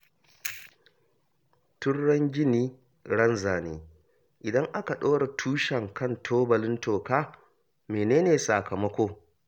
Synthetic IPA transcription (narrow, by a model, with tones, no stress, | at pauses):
tʊ˦nːɐ˦ŋɡʲɪ˦niː˦ | ɽɐ˦nzaː˨neː˨ | ʔɪ˨dɐ˦ŋʔa˦ka˨ɗoː˦ɽa˨tʰuː˦ʃɐ˨ŋkɐ˦˨ntʰoː˦bɐ˨lɪ˦ntʰoː˨kaː˦ | meː˨neː˦neː˨sa˨kɐ˨mɐ˦kʷoː˦